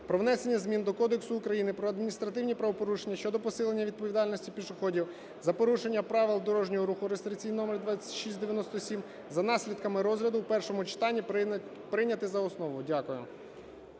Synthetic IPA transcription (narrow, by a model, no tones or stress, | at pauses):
pɾɔʋnɛsenʲːɐzmʲind̪ɔkɔd̪eksʊːkɾɐjinɪpɾɔɐd̪mʲinʲist̪ɾɐt̪ɪwnʲipɾɐʋɔpɔɾuʃenʲːɐʃt͡ʃɔd̪ɔpɔsɪlˠenʲːɐʋʲid̪̚pɔʋʲid̪ɑlʲnɔsʲtʲipʲiʃʊxɔdʲiw | zɐpɔɾuʃe̞nʲːɐpɾɑʋɪlˠd̪ɔɾɔʒnʲɔɦɔɾuxʊɾest̪ɾɪkt͡sʲijnɔmerd̪ʋɑt͡sʲːɐ̥tʲʃisʲtʲd̪eʋjɐnɔst̪ɔsʲim | zɐnɑsʲlʲid̪̚kɐmɪɾɔzɦɾʲɐd̪ʊwpɛrʃɔmʊt͡ʃɪ̥t̪ɑnʲːi | pɾɪnʲɐt̪ɪzɐɔsnɔʋʊdʲakʊjʊ̰